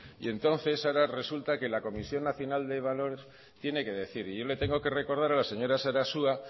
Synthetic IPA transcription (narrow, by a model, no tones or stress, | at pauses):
ḭe̞nt̪o̞nθe̞saɾare̞sult̪ake̞lako̞misjo̞nːaθjo̞nald̪e̞β̞alo̞ɾes | t̪je̞ne̞ke̞ðe̞θiɾiʝo̞le̞t̪e̞ŋɡo̞ke̞re̞ko̞ɾð̞aɾalase̞ɲo̞ɾasaɾasua